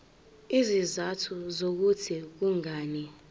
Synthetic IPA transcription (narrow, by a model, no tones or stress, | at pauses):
izizatʰuzok̬utʰik̬uŋaːnɛ